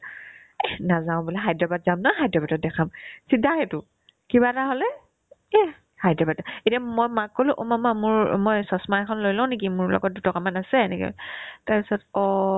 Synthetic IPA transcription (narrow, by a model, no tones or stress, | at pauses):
ɛnazaʊ̃bulɛɦajdɹɔbadzamnaɦajdɹɔbadɔt̚dɛkʰamsidʱaɦɛtʊ | kiβataɦolɛ | ɛ | hajdɹɔbadaetiamojmakːolʊ̃ʔumamamʊɹmɔjsɔsmaɛkʰɔnlojlɔ̃ʊ̃nek̬imʊɹlɔ̰ɡɔt̚dutɔkamanasɛnɛ̰kḭtaɹpisɔtɔ